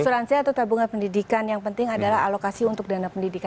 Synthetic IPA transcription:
suɾansiat̪awt̪abuŋanpəndidikanjaŋpənt̪ɪŋadalaɦa̰lokasiunt̪ʊk̚danapəndidika

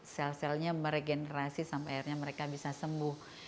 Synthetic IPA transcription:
sɛlsɛlɲaməɾeɡenəɾasisampaaarɲaməɾekabisasəmbʊh

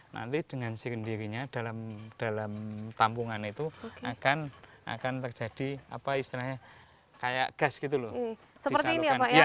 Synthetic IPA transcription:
na̰nt̪id̥əŋansikəndiɾiɲad̥alamd̥alamt̪ampuŋanit̪uokakana̰kant̪ərd͡ʒad̥ia̰paist̪ilahɲa | kaja̰ʔɡ̥asɡ̥it̪̬ulʊ | səpiəərt̪iːniapaa

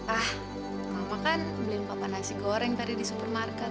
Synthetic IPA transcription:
ah | amakanblɪŋpapanasiɡoɾɛŋt̪adidisupɛrmarkat̚

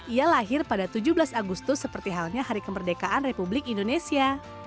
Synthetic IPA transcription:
ʔijalaɦɪrpadat̪ud͡ʒublasaɡust̪ʊsːəpərt̪iɦalɲahaɾikəmərdekaʔanrepublɪkindonesia

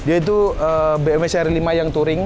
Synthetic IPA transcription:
diait̪̬uəbeɛmesɛrilimajaŋt̪uɾɪŋ

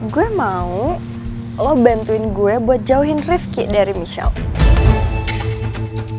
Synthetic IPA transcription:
ɡuɛmau | lɔbant̪uɪnɡuɛbuat̪̚d͡ʒauɦɪnrɪfkɪʔdaɾimiʃa̰l

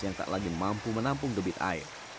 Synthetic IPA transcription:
jaŋt̪a̰ʔlaɡimampumənampʊŋɡəbɪt̪a̰ɪ̰r

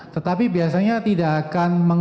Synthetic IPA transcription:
t̪ət̪apibiasaɲat̪idaʔːkanməŋ

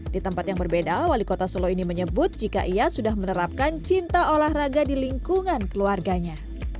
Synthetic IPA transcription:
dit̪əmpat̪jaŋbərbedawalikot̪asoloiniməɲəbʊt̪̚d͡ʒika̰ʔiasudahmənəɾap̚kant͡ʃint̪aolahraɡadiliŋkuŋankəluarɡaɲa

